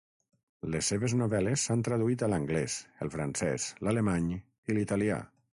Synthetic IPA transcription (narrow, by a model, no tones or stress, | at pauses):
lesːeβeznoβɛlesːant̪ɾəðuit̪ələŋɡlɛsəlˠfɾansɛ̰zlalemaɲ | ilit̪alia̰